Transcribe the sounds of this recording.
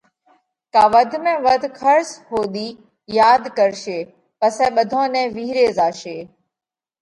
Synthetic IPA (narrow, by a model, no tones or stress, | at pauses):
kaːʋəd̪ʱmẽːʋəd̪ʱkʰəɾsɦoːɗ̪iː | jaːd̪kəɾʃeː | pəsɛ̃ːɓəd̪ʱõːnɛ̃ːʋiːɾeːzaːʃeː